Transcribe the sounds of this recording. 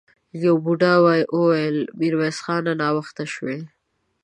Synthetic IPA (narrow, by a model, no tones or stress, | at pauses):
jawbuɖawɑjʔowajəlmiɾwesxɑːnanɑwəxt̪aʃwe